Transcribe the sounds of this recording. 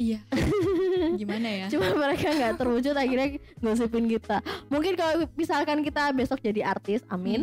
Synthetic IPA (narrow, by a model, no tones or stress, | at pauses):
ija | ɡimanajat͡ʃumanməɾekaŋɡaʔt̪ərwud͡ʒʊt̪̚akirɾɲa | ŋɡos̬ipɪnkit̪amuŋkɪnkalobisalkankit̪abɛsɔk̚d͡ʒadiʔart̪ɪsamɪn